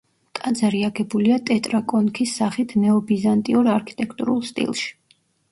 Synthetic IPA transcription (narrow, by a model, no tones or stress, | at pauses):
t̪ʼad̪zaɾiaɡɛbuliat̪ʼɛt̪ʼɾakʼɔnkʰisːaχit̪ʰnɛɔbizant̪ʼiɔɾaɾkʰi̥t̪ʼɛkʰt̪ʼṵɾṵlˠst̪ʼḭlˠʃi̥